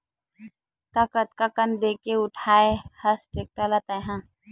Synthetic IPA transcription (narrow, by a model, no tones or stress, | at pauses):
t̪aːkət̪kakənd̪eːkeʊʈʰaːehəsʈeːk̚ʈəlat̪ə̃ɦãː